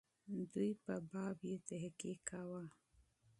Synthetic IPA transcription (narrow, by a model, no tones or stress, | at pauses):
d̪ujpəbɑbjet̪aɦkikʰawa